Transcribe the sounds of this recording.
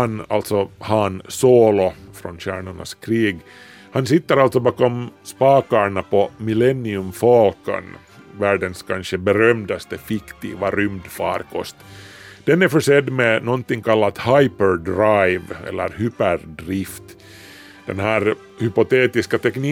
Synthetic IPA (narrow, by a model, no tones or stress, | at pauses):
hana̰lt̪sɔhɑnsoːlɔfɾɔnɕæ̰ːɳʊɳa̰skʰɾiːɡ | hansɪt̪ːəɾalt̪sɔbɑːkɔmspɑːkaɳapɔmɪlɛnːɪɵmfɔlkə̰n | væːɖənskʰanɕəbɛɾœmd̪ast̪əfɪkt̪ʰḭːvaɾʏmd̪fɑ̰ːɾkʰɔ̰st̪d̪̥ɛnæɾfœʂɛd̪ːmɛnɔnt̪ɪŋkʰalːat̪hajpəɾɖɾajvɛ̰lːə̰ɾhypəɾɖɾɪft̪ | d̪̥ɛ̰nɦæːɾ | hʏpɔt̪eːt̪ɪskat̪ʰɛkniː